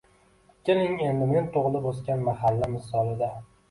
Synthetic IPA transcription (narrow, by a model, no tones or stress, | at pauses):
kʲʰɪlɪŋe̞nd̪ɪme̞nt̪ʰoʁlˠɪposkʲanmaɦalːamɪsɒlˠɪd̪a